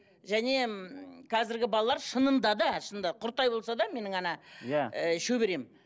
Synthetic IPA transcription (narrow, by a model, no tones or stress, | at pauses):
ʒæne̞qʰɑzɪɾɡʲɪbɑlˠɑlˠɑɾʃənənd̪ɑd̪ɑʃənd̪ɑqʰʊɾt̪ːɑjbolˠsɑd̪ɑme̞nɪŋɴɑnɑjæəʃɵbeɾe̞m